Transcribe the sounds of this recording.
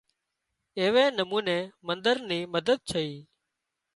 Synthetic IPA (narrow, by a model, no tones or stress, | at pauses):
eːʋẽːnəmuːneːmənd̪əɾniːməd̪əd̪̚t͡ʃʰəiː